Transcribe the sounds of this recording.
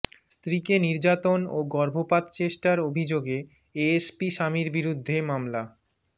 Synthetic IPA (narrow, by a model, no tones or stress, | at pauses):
st̪ɾikeniɾd͡ʑat̪onoɡɔɾbʱopat̪t͡ɕeʃʈaɾobʱid͡ʑoɡe | eespiʃamiɾbiɾud̪ʱːemamla